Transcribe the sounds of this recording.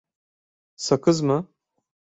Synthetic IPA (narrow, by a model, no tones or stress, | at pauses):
sɐkɨzmɨ